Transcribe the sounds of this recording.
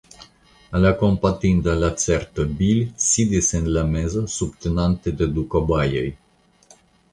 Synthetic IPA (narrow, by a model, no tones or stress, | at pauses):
alakompat̪ind̪alat̪seɾt̪əbilʲsid̪isenlamezosubt̪enant̪ed̪ed̪ukobajḛj